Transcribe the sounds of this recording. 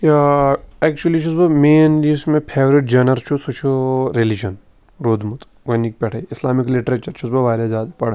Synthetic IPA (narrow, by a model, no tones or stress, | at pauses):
jaɛːk̚t͡ʃuɐlit͡ʃʰusbɐmeːnlismẽpʰeːʋɾiʈ̚d͡ʒɐnɐɾt͡ʃʰusut͡ʃʰuɾelid͡ʒɐn | ɾoːd̪mut̪ | ɡɐnːik̚pɛʈʰɐiɪslaːmikliʈɾɐt͡ʃɐɾt͡ʃʰusbɐʋaːɾjazjaːd̪apɐɽ